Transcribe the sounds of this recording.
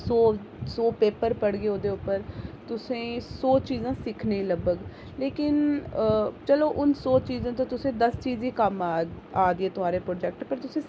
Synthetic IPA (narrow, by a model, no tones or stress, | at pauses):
soː | soːpeːpəɾpəɽɡeːoːd̪eːʊpːəɾt̪ʊsẽːsoːt͡ʃiːzãːsɪkʰnẽːləbəɡ | leːkɪn | t͡ʃəloːʔʊnsoːt͡ʃiːzãːt̪ãːt̪ʊsẽːd̪əst͡ʃiːziːkəmaː | aːd̪ɪeːt̪ʊaːɾeːpɾoːd͡ʒɛːk̚ʈpəɾt̪ʊsẽː